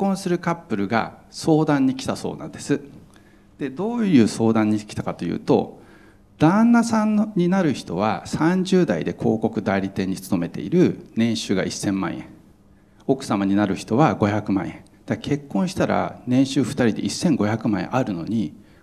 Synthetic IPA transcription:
kːõ̞ɰ̃sɨɾɯ̟kapːɯ̟ɾɯ̟ɡa̰so̞ːd̪ãɲ̟ːikʲi̥t̪aso̞̰ːnã̰nd̪̥e̞sɨ | d̪̥e̞d̪o̞ːjɯ̟ːso̞ːd̪ãɲ̟ːikʲi̥t̪akat̪o̞jɯ̟̰ːt̪o̞̰ | d̪̥ãnːasãnɲːinaɾɯ̟çi̥t̪o̞β̞asãɲd͡ʑɨːd̪aid̪e̞kʰo̞ːko̞kɯ̟d̪aiɾʲit̪ẽ̞ɲ̟ːit͡sɨ̥o̞me̞t̪e̞̰ḭɾɯ̟nẽ̞ɕɨːɡa̰ʔisːẽ̞mːã̰ɰ̃jḛ̃ | o̞kɯ̟̥samaɲ̟inaɾɯ̟çi̥t̪o̞βaɡo̞çakɯ̟mã̰ɰ̃jẽ | d̪̥ake̞kːõɰ̃ɕi̥t̪aɾa̰nẽ̞ɰ̃ɕɨːɸɯ̟̥t̪aɾʲid̪e̞ʔisːẽ̞ŋɡo̞çakɯ̟mãḛ̃ʔaɾɯ̟no̞ɲ̟i

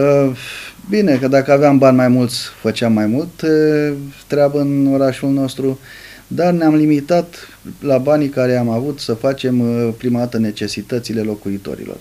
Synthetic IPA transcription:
ə | bine̞kəd̪akəaveambanʲmajmult̪sʲfət͡ʃeamːajmult̪ː | ɾeabəɨno̞ɾaʃulno̞st̪ɾu | d̪arneamlimit̪at̪ | labanikaɾe̞amavut̪səfat͡ʃe̞mpɾimad̪at̪əne̞t͡ʃe̞sit̪ət̪sile̞lo̞kuit̪o̞̰ɾḭlo̰r

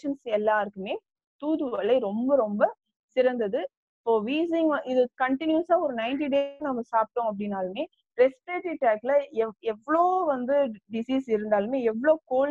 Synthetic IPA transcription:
ɐnsɛlːãːɪɾɯkːɯmeː | t̪uːðɯʋɐɭɐɪɾɔmbɐɾɔmbɐ | sɪɾɐnd̪ɐðɯ | ɪpːoːʋiːs̬ɪŋɡʔɪðɯkɐɳʈɪnjusaːɔɾɯnɐɪnʈ̬iɖeːnɐmːɐsaːp̚ʈõːɐp̬ːɐɽɪnːaːlɯmeː | ɾɛspɾeːʈiʈaːklɐɛɛʋːɐɭoːʋɐnd̪ɯɖɪsiːsɪɾɯnd̪aːlmeːɛʋːɐɭoːkoːl

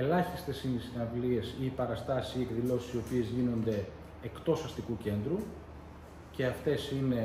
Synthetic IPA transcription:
e̞lɐçist̪e̞sinisinɐɱvlie̞siːpɐɾɐst̪ɐsisiekðilo̞si̥sio̞pie̞zʝino̞nd̪e̞ː | kt̪o̞sɐst̪ikuce̞nd̪ɾu | ce̞ɐft̪e̞sine̞

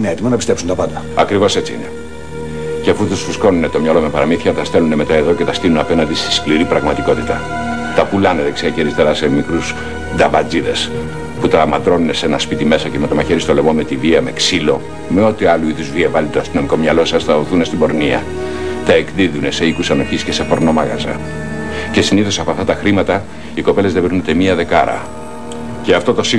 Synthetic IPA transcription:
ineet̪imɐnɐpist̪epsunt̪ɐpɐnd̪ɐɐkɾivo̞se̞t͡siḭne̞ | ceɐfut̪usfusko̞nune̞t̪o̞mɲɐlo̞mepɐɾɐmiθçɐt̪ɐst̪e̞lune̞met̪ɐe̞ðo̞ce̞t̪ɐst̪inunɐpe̞nɐnd̪ist̪i̥skliɾipɾɐɣmɐt̪iko̞t̪it̪ɐ | t̪ɐpulɐnet̪ekseɾiçeɾist̪eɾɐse̞mikɾus | d̪ɐvɐd͡ziðe̞s | put̪ɐmɐt̪ɾo̞nune̞se̞nɐspit̪ime̞sɐcemet̪o̞mɐçe̞ɾist̪o̞le̞mo̞me̞t̪iviɐme̞ksilo̞ | me̞o̞t̪iɐluiðuzviɐvɐlit̪oɐst̪ino̞miko̞mɲɐlo̞sɐst̪ɐoθunest̪ibo̞ɾniɐ | t̪ɐekðiðune̞se̞ikusɐno̞çisce̞se̞po̞ɾno̞mɐɣɐ̰zɐ̰ | ce̞siniθosɐpoɐft̪ɐt̪ɐxɾimɐt̪ɐ | iko̞pe̞le̞zðebeɾunet̪emiɐðe̞kɐɾɐ̰ | ce̞ɐft̪o̞t̪o̞si

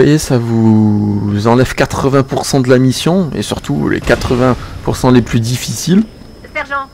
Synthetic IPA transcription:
ajesavu | zɑ̃lɛvkat̪χəvɛ̃puʁsɑ̃d̪əlamisjɔ̃ḛsyʁt̪ulʔḛkat̪χəvɛ̃puʁsɑ̃leplyd̪ifisil

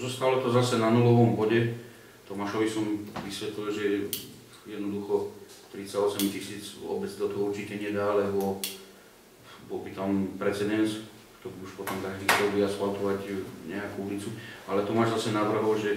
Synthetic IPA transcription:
zɔst̪alɔt̪ɔzasɛnanulɔʋɔmbɔɟɛ | t̪ɔmaʃɔʋisɔmʋisʋɛt̪lilʒɛ | jɛd̪nɔd̪uxɔ | t̪ɾit͡saɔsɛmcisiːd͡zʋɔ̰bɛt͡sid̪ɔt̪ɔɦɔut͡ʃitɛɲɛd̪aːlɛɦɔ | bɔlbit̪ampɾɛt͡sɛd̪ɛns | kt̪ɔɾiuʃpɔt̪ɔmt̪aʒd̪iːxt̪ɔʋiaspalt̪ɔʋacɲɛakuulit͡sualɛt̪ɔmaʒzasɛnaʋr̩ɦɔlʒɛ

